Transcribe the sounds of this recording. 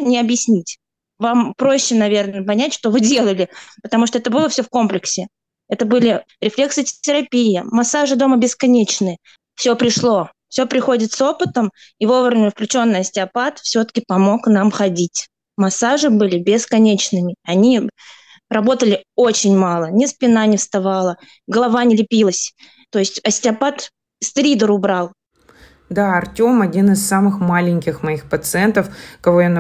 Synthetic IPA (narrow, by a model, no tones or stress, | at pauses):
nʲɪɐbjɪsʲnʲitʲ | vampɾo̞ɕːɪnɐvʲe̞rnəpɐnʲætʲʂt̪ovɨdʲe̞lˠəlʲɪpət̪ɐmuʂ̬t̪oɛt̪əbɨlˠəfsʲɵfko̞mplʲɪksʲɪ | ɛt̪əbɨlʲɪɾʲɪflʲe̞ksɨtʲɪɾɐpʲijɪmɐsːaʐɨd̪o̞məbʲɪskɐnʲet͡ɕnɨjə | fsʲɵpɾʲɪʂlˠo̞ | fsʲo̞pɾʲɪxo̞dʲɪt̪so̞pɨt̪əm | ivo̞vɾəvʲnʲɪfklʲʉt͡ɕo̞nːəjəsʲtʲɪɐpat̪fsʲo̞t̪ə̥kʲɪpɐmo̞knamxɐdʲitʲ | mɐsaʐɨbɨlʲɪbʲɪskɐnʲet͡ɕnɨmʲɪɐnʲi | rɐbo̞t̪əlʲɪo̞t͡ɕɪnʲmalˠənʲɪspʲɪnanʲɪfst̪ɐvalˠə | ɡəlˠɐvanʲɪlʲɪpʲilˠəsʲ | t̪o̞ɪsʲtʲɐsʲtʲɪɐpat̪ | st̪ɾʲid̪əɾʊbɾalˠ | d̪aɐrtʲo̞mɐdʲinɨsːamɨxmalʲɪnʲkʲɪxmɐixpət̪sɨɛnt̪əfkɐvo̞jan